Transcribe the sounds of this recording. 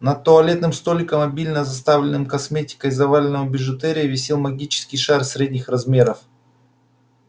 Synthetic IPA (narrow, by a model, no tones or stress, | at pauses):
nɐt̪t̪ːoɐlʲe̞t̪nɨmst̪olʲɪkəmɐbʲilʲnəzɐs̬t̪avlʲɪnɨmkɐsmʲetʲɪ̥kəjzɐvalʲɪnəvəbʲɪʐɨt̪ɛɾʲɪjəvʲɪsʲelˠmɐɡʲit͡ɕɪ̥skʲɪjʂarsɾʲedʲnʲɪxɾɐzmʲe̞ɾəf